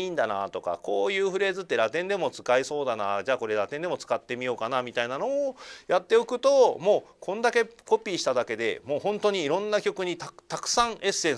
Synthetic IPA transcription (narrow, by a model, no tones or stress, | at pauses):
iːnd̪ana̰t̪o̞ka̰ko̞ːjɯ̟ːɸɯ̟ɾe̞ːzɨt̪ːe̞ɾat̪ẽnd̪e̞mo̞t͡sɨ̥kaiso̞ːd̪anad͡ʑaːko̞ɾe̞ɾat̪ẽ̞nd̪e̞mo̞t͡sɨ̥kat̪ːe̞mʲijo̞ːkanamʲit̪ainano̞ːjat̪ːe̞okɯ̟t̪omo̞ːkʰõ̞nd̪ake̞ko̞pʲiːɕi̥t̪ad̪ake̞d̪e̞̰mo̞ːhõ̞nt̪o̞ɲ̟iːɾõ̞nːakʲo̞kɯ̟ɲ̟it̪at̪akɯ̟̥sãɰʔe̞sẽ̞